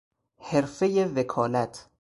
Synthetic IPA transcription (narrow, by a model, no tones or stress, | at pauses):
heɾfejevekʰɒːlæt̪ʰ